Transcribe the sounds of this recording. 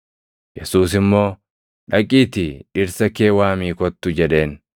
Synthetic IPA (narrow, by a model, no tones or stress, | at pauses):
jɛsuːs̬ɪmːo̞ː | ᶑɐkʼiːt̪ɪɪɾsɐkeːwaːmiːkɔt̪ːʊd͡ʒɛᶑe̞ːn